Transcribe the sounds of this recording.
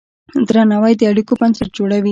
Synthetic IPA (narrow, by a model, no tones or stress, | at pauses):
d̪ɾɐnɐʋajd̪iɐɽukupɐnsɐɾ̚d͡ʒuɽɐʋi